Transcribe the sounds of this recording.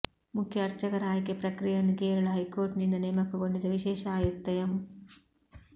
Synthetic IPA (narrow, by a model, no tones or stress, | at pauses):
mukʰjɐːɾt͡ʃɐɡɐɾaːjikepɾɐkɾijɐnːukeːɾɐɭɐɦɐjkoːɾʈnind̪ɐneːmɐkːɐɡoɳɖid̪ɐʋiʃeːʃɐaːjut̪ːɐjɐm